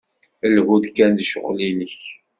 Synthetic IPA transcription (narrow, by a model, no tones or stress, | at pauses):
əlɣud̪kænd̪ʃə̰ʁlinəç